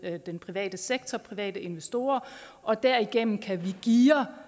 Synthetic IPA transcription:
d̥enpʰʁiʋɛ̰ːd̥əseɡ̥̚t͡sʰɒpʰʁiʋɛ̰ːd̥əe̝nʋesd̥o̝ːɐʔɒ̽d̥æɐ̰iɡ̥en̰n̩kʰæʋiɡ̥iːɐ

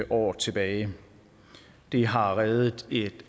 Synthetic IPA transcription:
əʔɒ̰ːt͡sʰe̝b̥ɛːɪ | d̥eɦɑ̈ʁɛðˠð̩ˠe̝d̥

